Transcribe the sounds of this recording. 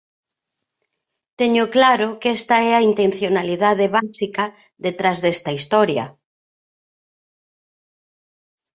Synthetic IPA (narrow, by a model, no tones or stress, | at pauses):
t̪eɲʊklaɾʊkɛst̪ɐɛɐint̪en̟θjonaliðaðeβasikɐ | ðet̪ɾazðɛst̪ɐist̪ɔɾjɐ̰